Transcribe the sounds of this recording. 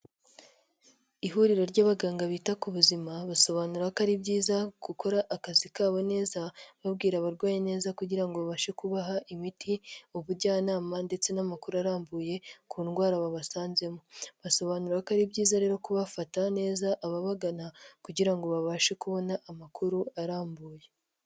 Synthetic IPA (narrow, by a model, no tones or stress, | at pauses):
iɦuːɾiɾo̞ɾɟaːβaɡaːŋɡaβiːtakuβuzimaβaso̞βaːnuɾakaɾibɟiːzaɡ̥uko̞ɾaʔːkazikaːβo̞ne̞ːzaβabɡiːɾaβaɾɡwaːjene̞ːzakuɟiɾaŋɡoβaβaːʃe̞kuβaɦaʔimitʰiuβuɾɟaːnaːmande̞t͡se̞namakuɾuaɾaːmbuːje̞kʰuːnɡwaːɾaβaβasaːnze̞moβaso̞βanuɾaakaɾibɟiːzaɾe̞ːɾo̞kuβafatane̞ːzaʔaβaβaɡanakuɟiɾaŋɡo̞βaβaːʃekuβo̞naʔːmakʰuɾuaɾaːmbuːje̞